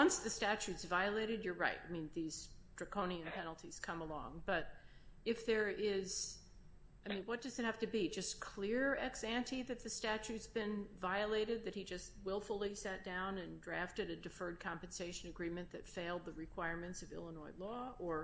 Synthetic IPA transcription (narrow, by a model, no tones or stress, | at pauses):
wʌ̃nsðɨstæt͡ʃʉtsvaɪəleɪɾɨdjə˞ɹaɪtaɪmĩnðiz̥d̥ɹɨkʰõʊ̃ñiɨ̃npʰɛnl̩ˠtʰiz̥kʰʌ̃məlɔ̰̃ŋb̥ʌɾ | ɨfðə˞ɪz̥ | aɪmĩnwʌt̚d̥ʌzɨt̚hæftɨbid͡ʒʌskʰl̥ɪɹɛksæ̃ntiðɨt̪̚ðɨstæt͡ʃʉtsb̥ɨ̃nvaɪəleɪɾɨd̪̚ðɨt̚hid͡ʒʌst̚wɪlˠfl̩ˠisæt̚d̥ãʊ̃nɨ̃ndɹæftɨɾɨdɨfɜ˞d̚kʰɑ̃mpn̩seɪʃɨ̃nɨɡɹĩmɨ̃nðɨtfeɪlˠd̪̚ðɨɹɨkʰw̥aɪɹmɨ̃ntsʌvɪ̰lˠənɔɪlɔə˞